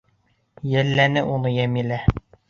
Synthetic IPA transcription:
jælːænɘʔunɤjæmilæ

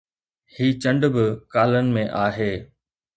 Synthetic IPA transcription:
hiːt͡ɕɐ̃ɳɖbɪkaːlənɪ̆mẽʔaːɦeː

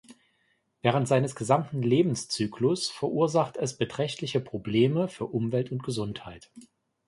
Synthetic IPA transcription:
vɛːʁ̞əntz̥aɪnəsɡ̥əzamtn̩leːbm̩st͡syːkʰlʊsfɛɐʔuːɐzaχtɛsb̥ətʁ̥ɛçtlɪçəpʁ̥obleːməfyːɐʔʊmvɛltʊnt̚ɡ̥əzʊnthaɪt

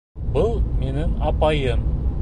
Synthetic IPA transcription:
bɤlˠmenɪŋɑpɑjɤm

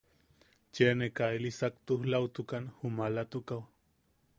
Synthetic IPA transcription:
t͡ʃenekaelisak̚t̪uhlawt̪ukanhumalat̪ukaw

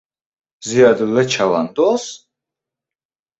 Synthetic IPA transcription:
ziad̪uwɛt͡ʃʰava̰nt̪ʼɔs

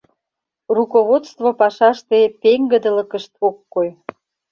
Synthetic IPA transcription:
rukoβot̪st̪vopɑʃɑʃt̪epeŋɡəd̪ə̆lə̆kəʃt̪̚okːoj

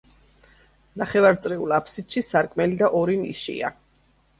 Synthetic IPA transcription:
naχɛvaɾt̪sʼɾɛulapʰsit̪ʃisaɾkʼmɛlid̪aʔɔɾinḭʃḭa̰

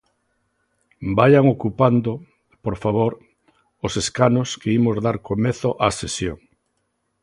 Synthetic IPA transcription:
bajaŋokupand̪ʊ | poɾfaβ̞oɾ | oseskanoskeimozðaɾkomeθʊʔasesjoŋ

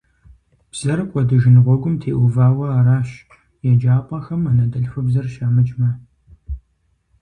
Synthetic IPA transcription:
b̥z̥ɐrɨkʷʼɔdɨʒɪnʁʷɔɡʷʊmtʰeːʔʷʊvaːwɐaːraːɕ | jɛd͡ʒaːpʷʼɐxɐmanɐdɐɬxʷʊbzɐrʃamɨt͡ʃʼmɐ

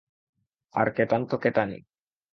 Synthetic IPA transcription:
a̰ɾket̪ant̪oket̪anḭ

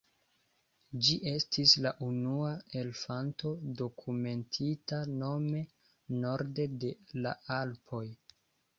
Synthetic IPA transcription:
d͡ʒiʔe̞stʰislaʔunuae̞lfanto̞do̞kʰume̞ntʰitano̞me̞ | no̞ɾde̞de̞la̰alpʰo̞j

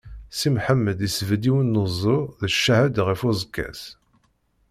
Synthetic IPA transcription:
simħəmːəd̪isəvd̪iwənːozˤoðəʃːæhæd̪ʁifuzəkːæ̰s

